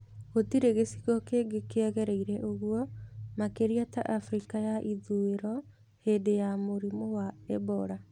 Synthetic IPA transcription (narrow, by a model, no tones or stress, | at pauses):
ɣotiɾeɣesiɣɔkeɡekeɛɣɛɾeiɾɛʔoɣuɔmakeɾiata̰ʔafɾikajaʔiðueɾɔ | hedejamoɾimowaɛbɔɾa